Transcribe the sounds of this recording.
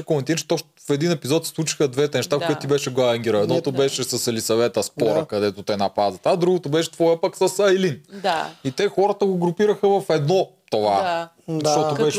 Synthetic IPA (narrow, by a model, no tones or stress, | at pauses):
komɛnt̪iɾt͡ʃɛ̥t̪o | fɛd̪inɛpizɔt̪si̥slˠut͡ʃi̥xəd̪vɛt̪ɛnɛʃt̪afkoɛt̪ːt̪ibɛʃɛɡˠaɐŋɡʲiɾəɛd̪nɔt̪obɛʃɛsɐsɛlisɐvɛt̪əspɔɾɐkɐd̪ɛt̪ot̪ɛnɐpazɐt̪ad̪ɾuɡot̪obɛʃɛ̥t̪vɔjəpəksəsɐjlinit̪ɛxɔɾət̪əɡoɡɾʊpiɾəxəvɐfɛd̪nɔt̪ova | ʃʃt̪ɔobɛʃ